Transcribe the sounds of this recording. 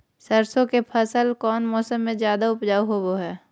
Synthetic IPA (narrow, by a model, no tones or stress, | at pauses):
səɾsõkepʰəsəlkɔːnmɔːsəmːẽzjaːd̪aʊpd͡ʒaːuɦoboɦɛː